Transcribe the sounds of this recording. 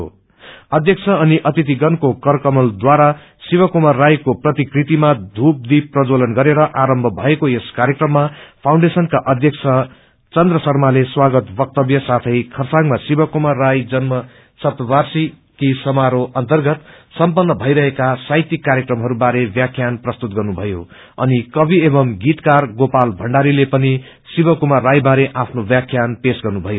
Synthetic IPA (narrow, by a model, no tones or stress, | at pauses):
o̰ | ʌd̪ʱjʌk̚t͡sʰʌːniʔʌt̪it̪̬iɡʌnkokʌrkʌmʌld̪waɾa | sibʌkumarːajkoprʌt̪ikrit̪imad̪ʱup̚d̪iprʌd͡zolʌnɡʌɾeɾʌʔaɾʌmbʱʌbʱʌekojeskaɾjʌkrʌmːapʰaw̃ɳɖesʌnkaʔʌd̪ʱjʌkt͡sʰʌ | t͡sʌnd̪rʌsʌrmaleswaɡʌt̪bʌk̚t̪ʌbjʌsat̪ʰʌjkʰʌrsaŋmasibʌkomarːajd͡zʌnmʌ | sʌpt̪ʌbarsi | kisʌmaɾoʔʌnt̪ʌrɡʌt̪sʌmpʌnːʌbʱʌjɾʌɦekasajt̪ikːaɾjʌkrʌmɦʌɾubaɾebjakʰjanprʌst̪ut̪̚ɡʌrnubʱʌjo | ʌ̰nikʌbiebʌmɡit̪karɡopalbʱʌɳɖaɾilepʌni | sibʌkumarajbaɾeʔapʰnobjakʰːjanpesɡʌrnubʱʌjo